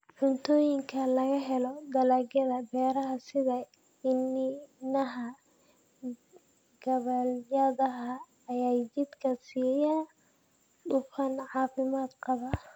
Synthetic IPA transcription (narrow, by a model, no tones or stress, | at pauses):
ħʊnt̪ʰɔːjɪŋkʰɐlɐɣɐɦɛlɔd̪ɐlaɡɐðɐbɛːɾɐɦɐsɪðɐ | ɪnːɪnɐɦɐ | ɡ̥ɐβɐljɐðɐɦɐː | jaːjd͡ʒɪd̪kʰɐsiːjaː | ɗʊqɑnʕɑːfɪmaːd̪qɑβɐ